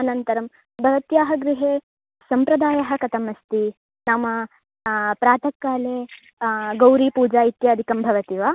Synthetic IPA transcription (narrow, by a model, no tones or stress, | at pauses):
ɐnɐnt̪ɐɾɐm | bʱɐʋɐt̪jaːɦɐɡɾiɦeː | sɐmpɾɐd̪aːjɐɦɐkɐt̪ɐmɐst̪i | naːmɐ | pɾaːt̪ʰɐkːaːleː | ɡɐwɾiːpuːd͡ʒaːit̪jaːd̪ʱikɐmbʱɐʋɐt̪iʋaː